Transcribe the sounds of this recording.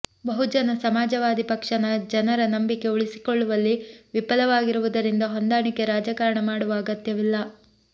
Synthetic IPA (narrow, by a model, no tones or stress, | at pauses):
bɐɦud͡ʒɐnɐsɐmaːd͡ʒɐʋaːd̪ipɐkʂɐnɐd͡ʒɐnɐɾɐnɐmbike̞uɭisi̥koɭːuʋɐlːiʋipɐlɐʋaːɡiɾuʋud̪ɐɾind̪ɐɦond̪aːɳike̞ɾaːd͡ʒakaɾɐɳɐmaːɽuʋɐːɡɐt̪jɐʋilːɐ